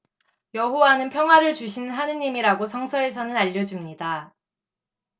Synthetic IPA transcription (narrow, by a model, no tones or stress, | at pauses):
jʌɦowanɯnpʰjʌŋɦwaɾɯɭt͡ɕuɕʰinɦanɯɲimiɾaɡosʰʌŋsʰʌe̞s̬ʰʌnɯnaʎːʌd͡ʑimɲida